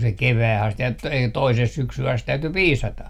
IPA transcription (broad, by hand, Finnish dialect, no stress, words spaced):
se keʋæːh ɑst et t toiseh syksyh ɑst tæyty piːsɑtɑ